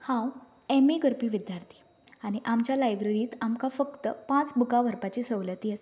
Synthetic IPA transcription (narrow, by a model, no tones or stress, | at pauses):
hãw | emiɡəɾpiːʋid̪jaɾt̪ʰiː | aɽ̃iʔamt͡ɕjalajbɾeɾiːt̪amkafəkt̪əpãt͡sbukaʋəɾpat͡ɕisəʋlət̪ies